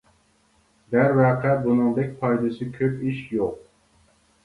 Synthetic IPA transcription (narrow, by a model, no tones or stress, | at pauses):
d̪æɾvɛːqʰɛbunɨŋd̪ɛkʲpʰɑjd̪ɨsɨkʲʰøpiʃjoq̚